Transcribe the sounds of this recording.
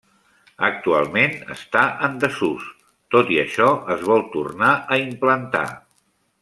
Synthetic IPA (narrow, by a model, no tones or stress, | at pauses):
ək̚t̪ua̰lˠmenə̰st̪aʔənd̪əsus | t̪ot̪iəʃɔəzβɔlˠt̪ṵrnaəimplənt̪a̰